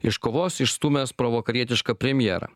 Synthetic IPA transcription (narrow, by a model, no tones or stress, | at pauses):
ɪʃkoːʋoːsɪʃst̪uːmʲespɾoʋoːkɐɾʲiɛt̪ʲɪʃkɐpʲɾʲɛmʲjɛ̰ːɾɐ̰